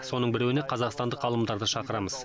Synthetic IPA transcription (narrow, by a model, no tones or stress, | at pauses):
so̞nəɴbɪɾewɪneqʰɑzɑqst̪ɑnd̪əqːɑlˠəmd̪ɑɾd̪əʃɑqəɾɑməz̥